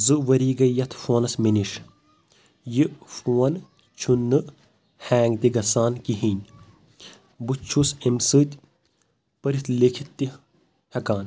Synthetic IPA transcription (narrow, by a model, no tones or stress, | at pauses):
zɨʋɐɾiːɡɐjɐt̪ʰfoːnɐsminiʂ | jifuːɐn | t͡ʃʰunːɨ | haːŋɡt̪iɡɐsaːnkiɦinʲ | bɨt͡ʃʰːusemsɨːt̪ʲ | pɐɾit̪ʰlekʰit̪ːi | hɐkaːn